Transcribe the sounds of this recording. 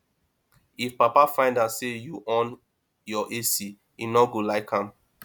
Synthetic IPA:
ifpapafãɪ̃ndasejuʔɔ̃n | jɔʔesi | inɔɡolaɪkhãm

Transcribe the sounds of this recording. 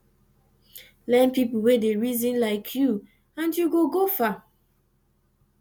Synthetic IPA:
lɛ̃npipulwedeɹizĩnlaɪkʰju | ãnjuɡoɡofa

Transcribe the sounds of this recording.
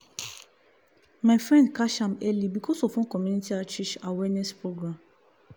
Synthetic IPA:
mafɹɛ̃ndkaʃãmɛlibikʰɔsɔfɔ̃nkɔmjunitiat͡ʃɛt͡ʃawɛnɛspɹoɡɹãm

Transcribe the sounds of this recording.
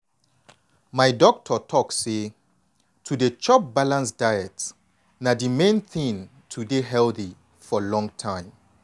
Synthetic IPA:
maɪdɔk̚tʰɔtʰɔkse | tʰudet͡ʃɔp̚balãnsdaɪɛt | nadimẽnθĩŋ | tʰudeɦɛlθi | fɔlɔ̃ŋtʰãɪ̃m

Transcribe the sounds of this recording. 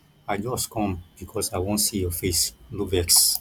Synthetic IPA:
aɪd͡ʒɔstkʰɔ̃mb̥ikʰɔsaɪwõntsijɔfeslukvɛks

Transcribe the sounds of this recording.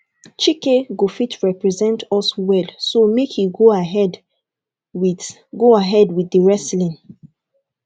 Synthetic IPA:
t͡ʃikeɡofitʰɹɛpɹɛzɛ̃ntʰɔswɛlsomekʰiɡoaɦɛd | w | ɡoaɦɛdwiðəɹɛslĩn

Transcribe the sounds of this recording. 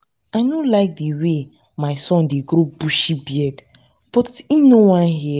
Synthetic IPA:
aɪnolaɪk̚dewe | maɪsɔ̃ndeɡɾobuʃibiɛd | b̥ɔtinowãnɦɛ

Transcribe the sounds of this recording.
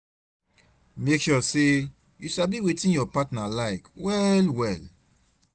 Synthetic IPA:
mekʃɔse | jusabiwetĩnjɔpatnalaɪkwɛlwɛl

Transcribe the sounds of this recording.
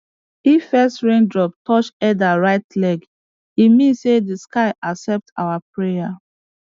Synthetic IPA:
ifɛstɹẽndɹɔp̚tʰɔt͡ʃɛdaɹaɪtlɛɡ | imĩnsedəskaɪʔaksɛp̚ta̰wapɹeja

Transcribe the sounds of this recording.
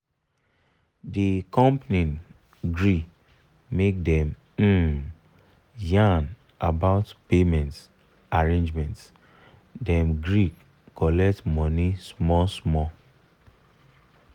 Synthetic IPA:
dikɔ̃mpnin | ɡɹik | mek̚dɛ̃m | m̩ | jãn | abaʊtpemɛ̃nts | aɹẽnd͡ʒmɛ̃nt | dɛ̃mɡɹik | kɔlɛk̚tmɔnismɔsmɔ

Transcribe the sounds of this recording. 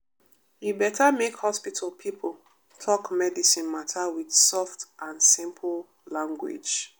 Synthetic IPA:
jubɛtʰamekhɔspitʰəl̩ˠpʰipʰəl̩ˠ | tʰɔkmɛdisĩnmatʰawid̥sɔftʔãnsĩmpʰl̩ˠ | lãŋɡwɪ̰d͡ʒ

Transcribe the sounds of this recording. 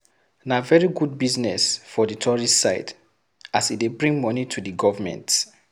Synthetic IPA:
navɛɹiɡud̚biznɛsfɔditʰɔɹisaɪd | asit̚debɹĩŋmɔnitʰudiɡɔvəmɛ̰̃nt

